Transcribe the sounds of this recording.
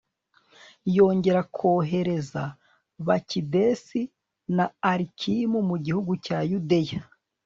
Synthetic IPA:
jo̞ːɲɟe̞ɾakʰo̞ːɦe̞ɾe̞za | βacidesi | naːɾikʰimumuɟihuɡucajudeja

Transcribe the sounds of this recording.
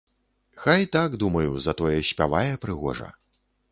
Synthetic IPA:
xajt̪aɡd̪umɐjuzɐt̪ɔjɛɕʲpʲavajɛpɾɨɣɔ̰ʐɐ̰

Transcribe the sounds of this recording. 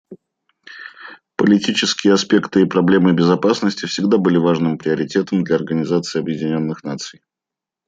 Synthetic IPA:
pəlʲɪtʲit͡ɕɪskʲɪjəɐspʲe̞kt̪ɨipɾɐblʲe̞mɨbʲɪzɐpasnəsʲtʲɪfsʲɪɡd̪abɨlʲɪvaʐnɨmpɾʲɪəɾʲɪtʲe̞t̪əmd̪lʲɐɐrɡənʲɪzat̪sɨɪɐbjɪdʲɪnʲo̞nːɨxnat̪sɨj

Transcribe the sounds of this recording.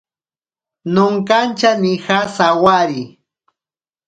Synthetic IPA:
nʊŋkant͡ʃanixasawaɾi

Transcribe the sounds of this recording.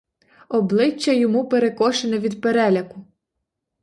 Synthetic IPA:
ɔblˠɪt͡ʃːɐjɔmupeɾekɔʃenɛʋʲid̪peɾɛlʲɐkʊ

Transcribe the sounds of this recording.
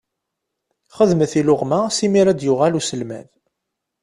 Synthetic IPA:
χəðməθilʊʁmasimiɾæd̪jʊʁalusəlmæ̰ð

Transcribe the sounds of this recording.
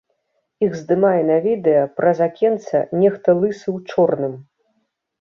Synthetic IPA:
iɣzd̪ɨmajɛnɐvʲid̪ɛjɐpɾɐzakʲɛnt̪sɐ̰nʲɛxt̪ɐlˠɨsɨwt͡ʂɔrnɨm

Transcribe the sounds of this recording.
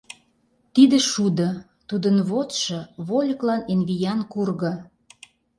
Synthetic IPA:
t̪id̪ĕʃud̪ɤ̆ | t̪ud̪ənβot̪ʃɤ̆βolʲəklɑnenβijɑnkurɣɤ̆

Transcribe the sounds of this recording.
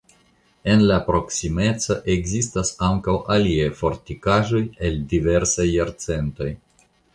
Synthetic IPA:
e̞nlapɾo̞ksime̞t͡saʔe̞ɡzistasaŋkawʔaliejfo̞ɾtikaʒo̞je̞ldive̞ɾsajːaɾt͡se̞nto̞j

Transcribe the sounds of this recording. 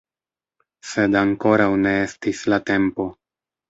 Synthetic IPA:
se̞daŋko̞ɾawne̞e̞stislate̞mpo̞

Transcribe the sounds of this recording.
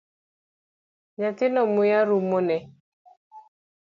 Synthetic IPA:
ɲatɪnɔmʊjaɾumonɛ

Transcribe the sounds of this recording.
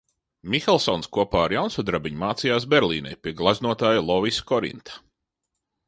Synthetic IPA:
mʲixɛlˠsɔnskuɔpaːaɾjawnsuːd̪ɾabʲiɲumaːt̪sijaːsbɛɾlʲˠḭːnɛ̰jpʲiɛɡlˠaznuɔt̪aːjlˠɔviskɔɾḭnt̪ʰḁ

